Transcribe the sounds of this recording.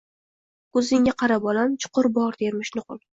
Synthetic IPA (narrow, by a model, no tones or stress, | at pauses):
kʰɵzɪŋʲaqʰɑɾabɒlamt͡ʃʰʊ̥qʊɾbɒɾd̪eɾmɪʃnʊqʊlˠ